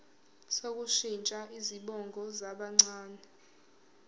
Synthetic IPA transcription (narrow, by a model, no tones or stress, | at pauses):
sok̬ʼuʃint͡ʃʼaʔiziɓɔŋɡʱɔzaɓaŋ͡ǀaːnɛ